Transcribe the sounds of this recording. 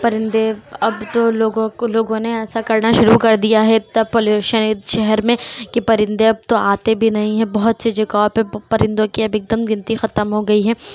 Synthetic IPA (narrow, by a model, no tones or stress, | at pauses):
pɐɾɪ̃nd̪eɐbt̪oloːɡõloːɡõneɛːsakɐɾnaʃʊɾukɐɾd̪ijaɦɛɐpolʃɐnid̪ʃɛɦɛɾmẽkipɐɾɪ̃nd̪eɐb̚t̪oaːt̪ebʱinɐɦĩɦɛ̃bɐɦʊt̪sed͡ʒɐkaːpepɐɾɪ̃nd̪õkiɐbɪk̚d̪əmɡɪ̃nt̪ixɐt̪əmɦoɡɐiɦɛː